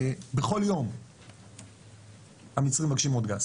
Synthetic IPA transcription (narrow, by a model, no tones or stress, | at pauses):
beχo̞ljo̞m | amit͡sʁimaɡʃimod̪ɡas